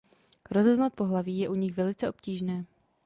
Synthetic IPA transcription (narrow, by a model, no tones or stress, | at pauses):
ɾo̞zɛznat̪̚po̞ɦlaviːjɛʔuɲɪxvɛlɪt͡sɛʔo̞pciːʒnɛː